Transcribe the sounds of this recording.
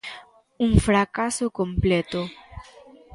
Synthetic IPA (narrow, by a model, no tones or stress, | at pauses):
uŋfɾakasokõmplet̪o